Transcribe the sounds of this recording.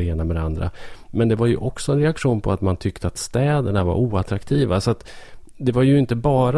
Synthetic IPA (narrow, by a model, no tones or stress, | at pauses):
eːnamɛd̪ɛand̪ɾa̰mɛnd̪ɛvaɾjɵ̰ʔɔksɔɛnɾɛakʂuːnpʰɔat̪mant̪ʰʏkt̪əat̪st̪ɛːd̪əɳava̰ɾuːat̪ɾakt̪ʰiːvasɔat̪ | d̪ɛvaɾjɵɪnt̪əbɑːɾa